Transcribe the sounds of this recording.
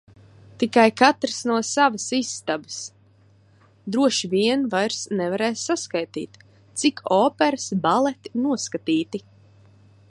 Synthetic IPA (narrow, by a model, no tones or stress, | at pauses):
t̪ikajkat̪ɾəsnuɔsavəsisːt̪abəs | d̪ɾuɔʃivʲiɛnvajɾsnɛvaɾɛːsːaskajt̪ḭːt̪ | t̪sikʰɔːpɛɾsbalˠɛt̪inuɔskat̪iːt̪i